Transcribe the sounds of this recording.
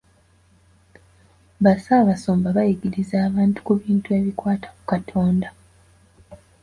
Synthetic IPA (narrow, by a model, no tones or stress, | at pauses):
βasaβaso̞ːmbaβajiɡiɾizaːβaːntu̥kuβiːntue̞ːβikwaːtḁku̥katʰoːnda